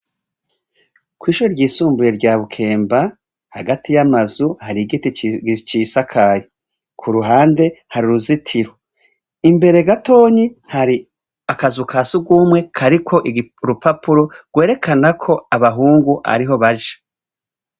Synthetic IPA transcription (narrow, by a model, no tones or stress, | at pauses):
kwiːʃuɾoɾɟiːsuːmbuje̞ɾɟaːβukʰe̞ːmba | haɡatʰijamazuhaɾiɡitiit͡ʃiːsakʰaːje | kʰuɾuɦaːnde̞haɾiɾuzitʰiɾo | imbe̞ɾe̞ɡato̞ːɲihaɾi | akazukʰasuɡwuːmwe̞kʰaɾikʰo̞ʔiɾupapuɾo̞ɡ̥we̞ːɾe̞kʰanakʰo̞aβaɦuːŋɡuʔa̰ɾiɦo̞βaʒḁ